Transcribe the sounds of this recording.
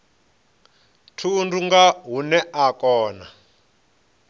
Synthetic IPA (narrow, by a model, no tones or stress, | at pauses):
tʰunduŋɡaɦunɛʔakɔːna̰